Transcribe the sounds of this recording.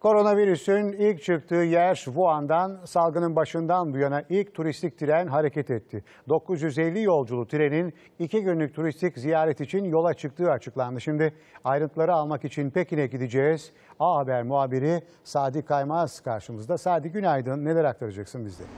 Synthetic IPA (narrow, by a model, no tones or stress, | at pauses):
kʰo̞ɾo̞naviɾysynilʲc̚t͡ʃʰɯk̚t̪ʰɯːjæɾʃbuand̪ansalˠɡɯnɯnbaʃɯnd̪anbujanaʔilʲct̪ʰuɾist̪ʰic̚t̪ʰiɾænɦaɾe̞cɛt̪ɛt̪ʰːɪ | d̪o̞kʰːuzjyzɛlʲːijo̞lˠd͡ʒulˠut̪ʰiɾe̞nin | iciɟynylʲyc̚ʲt̪ʰuɾist̪ʰiczijaːɾɛt̪it͡ʃʰinjo̞lˠat͡ʃʰɯk̚t̪ʰɯːat͡ʃʰɯklˠand̪ɯʃimd̪ɪ | ajɾɯnt̪ʰɯlˠaɾɯalˠmakit͡ʃʰinpecinɛɟid̪id͡ʒɛːz̥ | aɦabæɾmuaːbiɾi | saːd̪ikʰajmaz̥kʰaɾʃɯmɯzd̪asaːd̪iɟynajd̪ɯnːe̞lʲɛɾak̚t̪ʰaɾad͡ʒaksɯnbizd̪ɛ̰